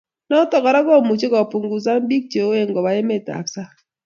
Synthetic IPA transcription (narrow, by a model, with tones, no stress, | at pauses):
nɔ˦tɔ˨kɔ˨ɾa˦kɔ˦˨mu˨t͡ʃe˦kɔ˨pu˨ŋɡu˨s̬a˦m˦bi˦k̚t͡ʃo˨˦e˦˨ŋɡɔ˨ba˨e˦me˨ta̰˨psa˦